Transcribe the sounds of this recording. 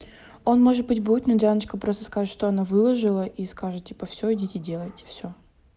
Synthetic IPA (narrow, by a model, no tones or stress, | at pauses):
o̞nmo̞ʐɨt̪̚bɨtʲbutʲnodʲanət͡ɕkəpɾost̪ə̥skaʐɨt̪ʂt̪oɐnavɨlˠəʐɨlˠəʔiskaʐɨt̪tʲipəfsʲoɪdʲitʲɪdʲe̞lˠəjtʲɪ̥fsʲo